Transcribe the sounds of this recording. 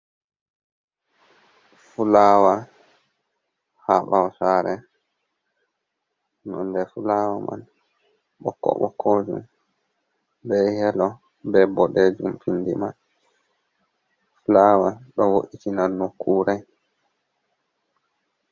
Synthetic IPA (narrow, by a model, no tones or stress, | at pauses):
fulaːwa | haɓawsaːɾɛ | nɔndɛfulawama̰n | ɓɔ̰kːɔ̰ɓɔ̰kʰːɔd͡ʒṵm | bɛhɛlɔ | bɛbːɔɗɛd͡ʒumfindiman | fulawaɗɔwoʔitinannokʰːuːɾaj